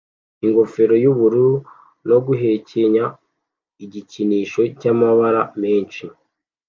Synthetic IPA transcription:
iŋɡo̞fe̞ɾo̞juβuɾuɾu | no̞ɡuɦe̞ceɲa | iɟiciniːʃo̞camaβaɾame̞ːnt͡ʃi

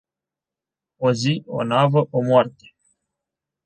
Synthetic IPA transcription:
ozio̰navəʔomoart̪e̥

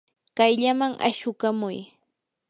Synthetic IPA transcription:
kajʎamaŋʔa̰ʃʊkamʊj

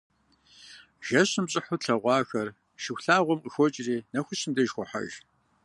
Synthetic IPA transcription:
ʒ̥ɐɕɨmɕʼɪħʊɬʰɐʁʷɑːxɐr | ʃɪxʷɬaːʁʷɔmqəxʷɔt͡ʃʼriːnɐxʷʊɕɨmdɐʒxʷɔħa̰ʒ

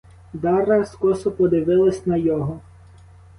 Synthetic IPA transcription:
d̪ɑɾɐskɔsɔpɔd̪ɪʋɪlˠɐsʲnɐjɔɦɔ

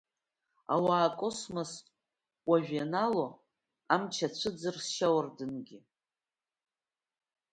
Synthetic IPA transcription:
a̰waːkʼosmas | wʷaʒᶣanalo | amt͡ʃʰat͡ɕʷʰɨd͡zɨrsʃawardɨnɡʲi

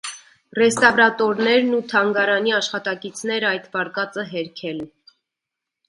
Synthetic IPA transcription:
rɛst̪ɑvɾɑt̪ɔɾnɛɾnut̪ʰɑŋɡɑɾɑniɑʃχɑt̪ɑkit͡sʰnɛɾɑjt̪bɑɾkɑt͡səɦɛɾkʰɛln

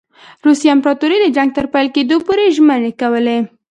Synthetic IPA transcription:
ɾusijampɾɑt̪oɾid̪əd͡ʒaŋɡ̚t̪əɾpajlked̪opoɾeʒmənekawəle

